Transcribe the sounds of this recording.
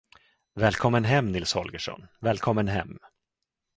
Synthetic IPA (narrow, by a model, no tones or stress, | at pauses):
vɛːlkʰɔmːənɦɛmːnɪlshɔlɡəʂɔ̰nvɛːlkʰɔmːənɦɛ̰mː